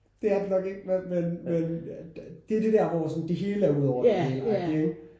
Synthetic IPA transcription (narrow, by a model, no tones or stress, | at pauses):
d̥e̝æɐd̥enɒ̽ɡ̥e̝ɡ̥̚memenmen | d̥eæɐd̥e̝d̥æɐʋɒsɒ̽nd̥e̝ɦe̝ːləæɐuð̰ˠɒʊ̰ɐ̥eŋɡ